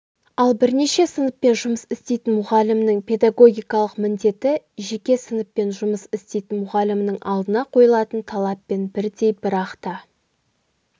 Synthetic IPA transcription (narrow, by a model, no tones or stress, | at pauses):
ɑlˠbɪɾne̞ʃe̞sənəpːe̞nʒʊməsɪst̪e̞jt̪ɪnmʊʁɑlɪmnɪŋpʲʰe̞d̪aɡo̞ɡʲijkɑlˠəqmɪnd̪e̞t̪ɪ | ʒe̞kʲe̞sənəpːe̞nʒʊməsɪst̪e̞jt̪ɪnmʊʁɑlɪmnəŋʔɑlˠd̪ənɑqʰo̞jəlˠɑt̪ənt̪ʰɑlˠɑpːe̞nbɪɾd̪e̞jbɪɾɑqt̪ɑ